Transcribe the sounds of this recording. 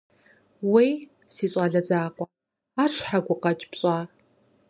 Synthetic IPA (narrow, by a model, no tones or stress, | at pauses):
wej | siːɕʼɑːɮɐzaːqʷɔ | aːʈ͡ʂʰħaɡʷʊqɐt͡ʃʼpɕʼɑː